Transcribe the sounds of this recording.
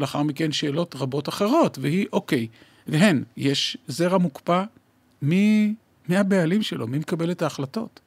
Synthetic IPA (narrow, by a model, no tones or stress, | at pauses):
leaχaʁmikenʃe̞ːlo̞tʁabo̞taχe̞ʁ̞o̞tveɦiʔo̞ke̞j | veɦenjeʃzeʁamukpa | mi | miabealimʃe̞lo̞mimekabe̞letaːχlato̞̰t